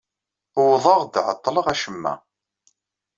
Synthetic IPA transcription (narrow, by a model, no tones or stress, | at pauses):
wðˤəʁd̪ʕə̰t̪ˤːləʁæʃəmːæ̰